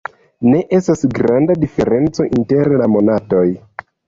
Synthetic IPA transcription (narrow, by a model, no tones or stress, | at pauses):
ne̞ʔe̞stasɡɾandadife̞ɾe̞nt͡so̞ʔinte̞ɾlamo̞nato̞j